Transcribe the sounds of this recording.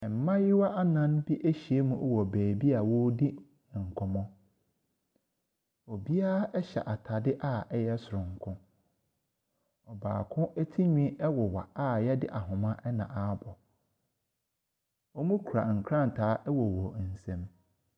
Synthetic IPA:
ɛ˨m̩˨˦mã˦jɪ˦wa˦ʔa˦nã˦nbi˦ʔæ˦ɕi˨e˦mũ˨ʔɔ˦wɔ˨bɛː˨bi˦a˨wɔ˦di˦˨ | ŋ̩˨kʰɔ̃˨mɔ̃˦ | ɔ˨bi˦a˦ʔɛ˦ɕɛ̰˨ʔa˨tʰa˨dɪ˦ʔa˦˨ɛ˦jɛ˦sʊ˨ɾʊ̃˨ŋ̩˨kʰʊ̃˦ | ɔ˨ba̰ː˨kʰʊ̃˦ʔɛ˦tʰi˦ɲᶣĩ˦ɛ˦wɔ˨wa̰˨a˦˨jɛ˦dɪ˦ʔa˨ɦʊ̃˨mã˦ʔɛ˦nã̰˨ʔa˨˦bɔ˨ | ɔ˦mũ˦kʰu˨ɾa̰˨ŋ̩˨kʰɾã˦n˨tʰaː˨˦ʔɛ˦wɔ˨wɔ˨n̩˨sɛ̃˦m

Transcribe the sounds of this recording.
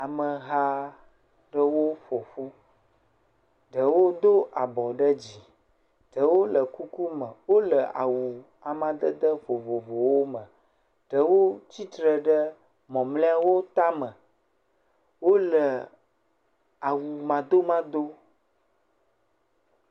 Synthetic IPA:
a˨mə˨ɦa˦ | ɖə˦wo˦fo˨fu˦ | ɖə˨wo˦d̪o˦ʔa˨bɔ˨ɖə˦d͡ʑi˨ | ɖ̥ə˨wo˦lə˨ku˦ku˦mə̃˨wo˦lə˨ʔa̰˨wu˨ | a˨mã˨d̪ə˦d̪ə˦vo˨vo˨vo˨wo˦mə̃˨ | ɖ̥ə˨wo˦t͡ɕi˦t̪ɾə˨ɖə˦ | mɔ̃˨mlɛ̃˦a˦wo˦t̪a˦mə̃˨ | wo˦lə˨ | a˨wu˨mã˨d̪o˦mã˦d̪o˦

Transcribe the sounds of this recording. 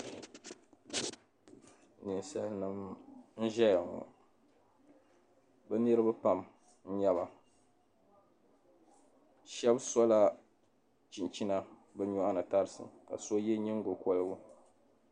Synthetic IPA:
nɨ˨nsa˦lnɨ˦mn̩˦ʒɛ˦ja˨ŋɔ̰˨ | bɛ˦nɨ˦ɾɨ˦ba˦pa˨m | n̩˦ɲɛ˦βa˨ | ʃɛ˦bsɔ˦la˦ | t͡ʃi˨nt͡ʃi˦na˦ | bɨ˦ɲɔ˦ʔa˦nɨ˨ta˦ɾɨ˨˦sɨ̰˨ka̰˨so˦jɛ˦ɲi˦ŋ˦ɡo˨kɔ˦lɨ˦ɡʊ˦

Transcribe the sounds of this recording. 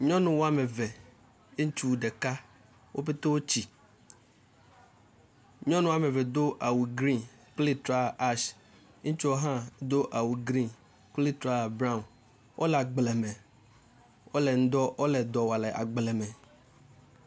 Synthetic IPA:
ɲɔ̃˦nũ˨wo˦a˦mɛ˨vɛ˨ | e˦ŋ˦t͡ʃu˦˨ɖe˨ka˦ | wʔo˦pe˦t̪o˦wo˦t͡ɕi˨ | ɲɔ̃˦nũ˦˨a˨mẽ˨vɛ˨d̪o˦ʔa˨wu˨ɡɾi˦n | k͡pli˦t̪ɾa˦˨a˦ʃ̩˦ | t͡ʃu˦o˦ɦã˦d̪o˦ʔa˨wu˨ɡɾi˦n | k͡pli˦t̪ɾa˦˨bɾa˦˨n | wʔo̰˦lɛ˨a˨ɡ͡blɛ˨mɛ̃˨ | wo˦lɛ˨n̩˦d̪ɔ˦wo˦lɛ˨d̪ɔ˨wa˨lɛ˨ʔa̰˨ɡ͡blɛ˨mɛ̃˨

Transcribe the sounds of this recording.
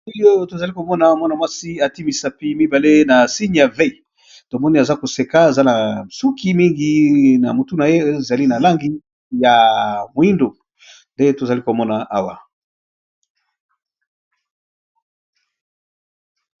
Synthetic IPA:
i˦jo˦to˨za˨li˦ko˨mɔ˦na˨mwɔ˦na˨mwa˦si˦a˨ti˦mi˨sa˦pi˦mi˦ba˨le˦na˨si˦ɲ˨ja˨ve˦i˨ | to˨mɔ˦ni˦a˨za˦ko˨se˨ka˦e˨za˦na˨su˦ki˦mi˦ŋɡi˦na˨mo˨tu˦na˨je˦˨za˨li˦na˨la˦ŋɡi˦ | ja˨mo˨i˦ndo˨ | nde˦to˨za˨li˦ko˨mɔ˦na˨a˦wa˨

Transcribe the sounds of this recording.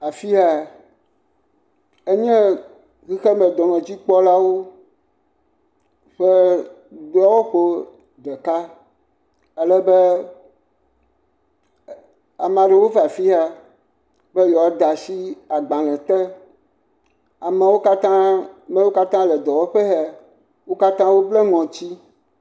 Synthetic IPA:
a˨fi˦a˨ | e˦ɲɛ̃˦ | ɣi˦xe˦mɛ̃˨d̪ɔ˨mɛ̃˨d͡ʑi˦k͡pɔ˦la˦wo˦ | ɸeɛ˦ | dɔ˦wo˦ɸo˦ | ɖɛ˨ka˦ | e˦lɛ˦be˦ | a˨mã˨ɖe˨wo˦va˨fi˦a˦ | bɛ˦jɔ˨˦d̪a˨si˦a˨ɡ͡bã˨lɛ̃˨t̪ɛ˦ | a˨mɛ˨wo˦ka˦t̪ã˦mɛ̃˦wo˦ka˦t̪ã˦lɛ˨d̪ɔ˨wɔ˦ɸe˦ɦɛ˦˨ | wo˦ka˦t̪ã˦wo˦ble˦ŋɔ̃˨t͡ɕi˦

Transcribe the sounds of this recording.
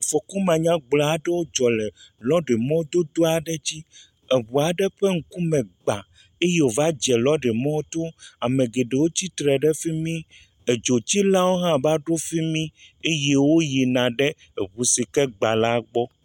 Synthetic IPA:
fɔ˨ku˦mã˨ɲã˦ɡ͡bla˨a˦ɖɛ˦wo˦d͡ʒɔ˨lɛ˨lɔ˦ɖe˨mɔ̃˦d̪o˦d̪o˦a˨ɖɛ˦d͡ʑi˦ | e˨βu˨a˨ɖɛ˦ɸe˦ŋ̩˨ku˦mɛ̃˨ɡ͡ba˨ | e˦je˦wo˨va˦d͡ʒɛ˨lɔ˦ɖɛ˨mɔ̃˦t̪o˦a˨mẽ˨ɡe˨ɖe˨wo˦t͡ɕi˦t̪ɾɛ˨ɖɛ˦fi˦mĩ˦ | e˨d͡ʒo˨t͡ɕi˦lã˦wo˦ɦã˦ba˦ɖo˦fi˦mĩ˦e˦je˦wo˦je˨nã˨ɖɛ˦ | e˨βu˨si˨kɛ˦ɡ͡ba˨la˦ɡ͡bɔ˦

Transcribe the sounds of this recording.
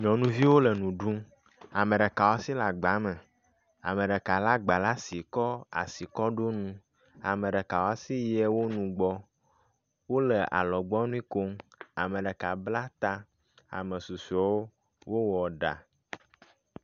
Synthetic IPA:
ɲɔ̃˨nũ˦vi˦wo˦lə˨nũ˨ɖũ˦ | a˨mẽ˨ɖə˨ka˨wa˦si˦la˨ɡ͡ba˨˦me˨ | a̰˨mẽ˨ɖə˨ka˨la˦ɡ͡ba˨la˦si˨kɔ˦a̰˨si˨kɔ˦ɖo˦nũ˦ | a̰˨mə̃˨ɖə˨ka˨wa˦si˦jɛ˦wo˦nũ˨ɡ͡bɔ˦ | wo˦lə˨ʔa̰˨lɔ˨ɡ͡bɔ˦nũ˦i˦ko˦ŋa˨mẽ˨ɖə˨ka˨bla˦t̪a˦ | a̰˨mə̃˨su˨su˨ɔ˨˦wo˦ | wo˦wɔ˨ɖa̰˨

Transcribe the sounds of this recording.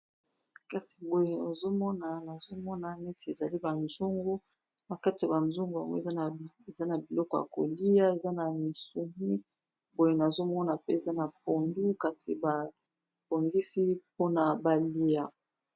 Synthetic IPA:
ka˨si̥˨bo˨je˨o˨zo˦mɔ˦na˨na˨zo˦mɔ˦na˨nɛ˦tʰe˨e˨za˨li˦ba˨nzo˦ŋɡo˦ | na˨ka˦ti˨a˨ba˨nzo˦ŋɡo˨a̰˨ŋwza˦˨ | e˨za˦na˨bi˨lɔ˦kɔ˨ja̰˨ko̰˨li˦ja˦e˨za˦na˨ni˨su˨mi˦ | bo˨je˦na˨zo˦mɔ˦na˨pe˦e˨za˦na˨p̚o˨ndu˦ka˨si˨ba˨ | po˨ŋɡi˦si˦po˦na˨ba˨li˦a˨

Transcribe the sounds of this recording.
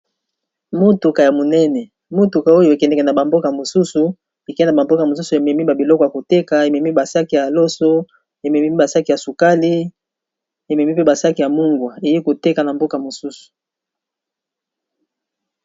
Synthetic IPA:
mo˦tu˨ka˨ja˨mo˨nɛ˦nɛ˨ | mo˦tu˨ka˨o˦jo˨e˨kɛ˨ndɛ˨kɛ˨na˨ba˨mbo˦ka˨mo˨su˦su˨ | e˨kɛ˦n˨a˨ba˨mbo˦ka˨mo˨su˦su˨e˨mɛ˨mi˦ba˨bi˨lɔ˦kɔ˨ja˨ko˨te˦ka˨e˨mɛ˨mi˦ba˨sa˦ki˨ja˨lo˦so˦ | e˨mɛ˨mi˦i˦ba˨sa˦ki˨ja˨su˨ka˦li˦ | e˨mɛ˨mi˦pe˦ba˨sa˦ki˨ja˨mu˦ŋɡwa˨e˨ji˦ko˨te˦ka˨na˨mbo˦ka˨mo˨su˦su̥˨

